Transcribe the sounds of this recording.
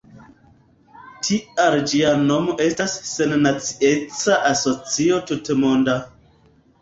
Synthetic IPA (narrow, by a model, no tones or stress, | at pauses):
tʰiaɾd͡ʒiano̞mo̞ʔe̞stasːe̞nːat͡siet͡saʔaso̞t͡sio̞tutmonda